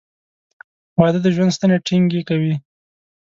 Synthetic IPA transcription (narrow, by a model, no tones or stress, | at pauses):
wɑd̪əd̪əʒwand̪st̪aneʈʰiŋɡekawi